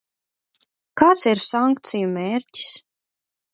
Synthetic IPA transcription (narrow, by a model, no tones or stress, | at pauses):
kaːt̪siɾsaŋkt̪sijumʲeːɾci̥s